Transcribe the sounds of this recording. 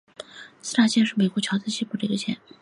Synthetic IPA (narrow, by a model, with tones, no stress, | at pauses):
sɹ̩˥t̪ʰa˨˩t͡ɕjɛ˥˧ʂɻ̩˥˩me˨˩ɪkwɔ˧˥t͡ɕʰɑ˧˥t͡sɹ̩˥˧ɕi˥˧pu˥˩ʈ͡ʂə˥˧˥ɡə˧˩t͡ɕʰjɛ̰˧˥n